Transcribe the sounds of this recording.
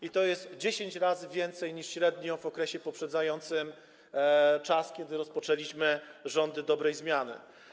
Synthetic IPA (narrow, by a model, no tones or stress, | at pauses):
it̪ɔjɛst̪d͡ʑeɕeɲt͡ɕɾazɘvʲjɛnt̪sɛjɲiʂɕɾɛd̪ɲɔ̃vɔkɾɛɕɛpɔpʂɛd̪zajɔnt̪sɘm | t͡ʂaskʲɛd̪ɘɾɔspɔt͡ʂɛlʲiɕmɘʐɔnd̪ɘd̪ɔbɾɛjzmʲjanɘ̰